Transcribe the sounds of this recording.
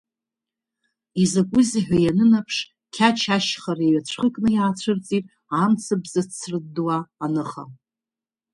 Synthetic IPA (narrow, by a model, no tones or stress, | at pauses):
izakʷʼʊziħᶣʷajanɨnapʰʂ | kʲʰat͡ʃʰaʃχaɾeɥat͡ɕʷʰχəkʼnɨjaːt͡ɕʷʰɨrt͡sʼi | amt͡sʰabzat͡sʰːrɨdwaːnɨχa̰